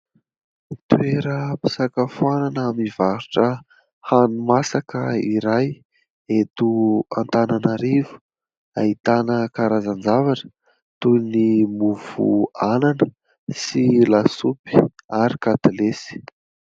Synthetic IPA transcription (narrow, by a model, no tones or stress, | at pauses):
t̪weɾəpi̥sakafuananamivaɾuʈ͡ʂə | hanumasakəiɾaj | et̪ua̰nt̪ananaɾivu̥ | ait̪anəkaɾazand͡zavaʈ͡ʂə̥ | t̪unimuvṵananə | silasupi̥aɾikat̪lesi̥